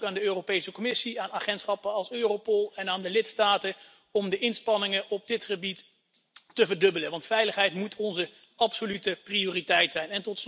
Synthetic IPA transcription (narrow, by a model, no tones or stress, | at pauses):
kaːndəøːrowpejsəkɔmɪsiaːnaːχɛntsχɑpəɑlˠsøːropɔlˠɛnaːndəlɪtstaːtə | ɔmdəʔɪnspɑnɪŋəɔb̚dɪtχəbit | təvəɹdɵbələʋɑntfɛjləχɦɛjtmutʰɔnzə | ɑpsolytəprioːritɛjtsɛjnɛntɔts